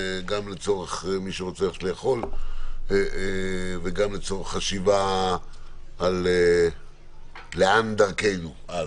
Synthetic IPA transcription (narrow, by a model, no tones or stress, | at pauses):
ɡamlet͡so̞ʁeχmiʃeʁot͡seaʃlejaχo̞l | veɡamlet͡so̞ʁeχːaʃiva | le | eand̪aʁkejnu | a